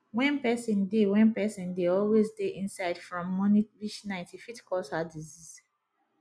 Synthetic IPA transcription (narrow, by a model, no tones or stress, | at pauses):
wɛ̃npɛsɔ̃ndewɛ̃npɛsɔ̃ndeɔlwezdeʔĩnsaɪd̥fɹɔ̃mːɔniɹiʃnãɪ̃ntifitkɔshadizis